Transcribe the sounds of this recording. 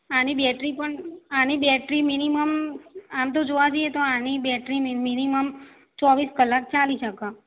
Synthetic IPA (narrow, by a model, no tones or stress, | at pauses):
anibɛʈɾipəɳanibɛʈɾiminiməmamt̪̬od͡ʒoʋad͡ʒiet̪oanibɛʈɾimminiməm | t͡ʃɔʋiskəlːak̚t͡ʃaliʃəka